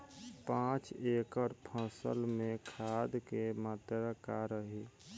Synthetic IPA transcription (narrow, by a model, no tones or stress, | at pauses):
pãt͡ʃekəɾpʰəsə̰lmẽkʰad̪kemat̪ɾakaɾəɦi